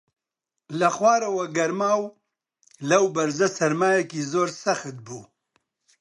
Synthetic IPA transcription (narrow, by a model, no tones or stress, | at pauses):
lɐxwaːɾɐwɐɡɐɾmaːw | lɐwbɐɾzɐsɐɾmaːjɐkizoːɾsɐxt̪̚buː